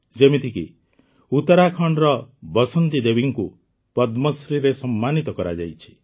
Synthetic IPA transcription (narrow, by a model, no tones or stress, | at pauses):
d͡ʒemit̪ʰikḭ | ut̪ɔɾakʰɔɳɖɾɔbɔsɔnt̪id̪ebiŋku | pɔd̪mɔsɾiɾesɔmːanit̪ɔkɔɾa̰d͡ʒa̰jt͡ʃʰi̥